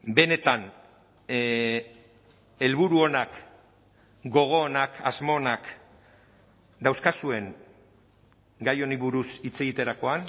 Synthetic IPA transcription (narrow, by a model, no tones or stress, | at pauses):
be̞ne̞t̪an | e̞lβuɾuo̞nak | ɡo̞ɣ̞o̞ːnaka̰zmo̞ːnak | d̪awskasue̞ŋ | ɡajo̞niβuɾusit͡se̞ɣit̪e̞ɾako̞an